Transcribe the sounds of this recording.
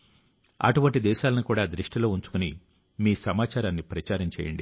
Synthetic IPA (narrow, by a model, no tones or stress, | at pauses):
ɐ̰ʈuʋɐɳʈid̪ɛːʃaːlɐnukuːɽaːd̪ɾiʂʈilo̞ːuɲt͡ʃu̥kuni | miːsɐmaːt͡ʃaːɾaːnːipɾɐt͡ʃaːɾɐɲt͡ʃɛ̰ːjɐ̰ɳɖḭ